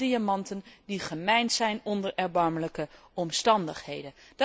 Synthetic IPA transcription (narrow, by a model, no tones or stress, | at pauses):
iamɑntəndiχəmɛjnzɛjnɔndəɹʔɛɹbɑɹmələkə | ɔmstɑndəχhejdən | d